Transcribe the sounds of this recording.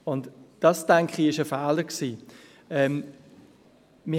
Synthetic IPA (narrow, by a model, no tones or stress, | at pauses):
ʊndd̥ɑsd̥ɛŋkχiɪʃəfæːləksiː | ɛːm | mɪ